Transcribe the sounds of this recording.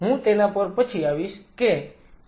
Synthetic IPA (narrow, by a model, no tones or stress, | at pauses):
ɦũt̪enapəɾpət͡ʃʰiaʋiʃke